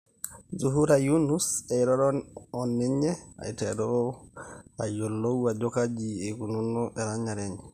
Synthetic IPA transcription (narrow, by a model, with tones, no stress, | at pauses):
zuɦu˦ɾaju˦nu˦sɛ˨iɾɔ˦ɾɔɔni˦ɲɛ˦a̰˨i˨tɛɾɔ | ajɔ˨lo˦ad͡ʒɔ˦ka˦d͡ʒieku˨nu˦nɔ˦ʔɛɾa˦ɲa˨ɾɛ˦ɲɛ